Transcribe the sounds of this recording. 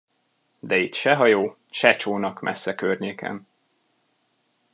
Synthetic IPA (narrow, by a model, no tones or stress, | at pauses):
d̪ɛit̪ʃɛɦɒjoː | ʃɛt͡ʃoːnɒkmʔɛ̰sːɛkørɲeːkʰɛ̰m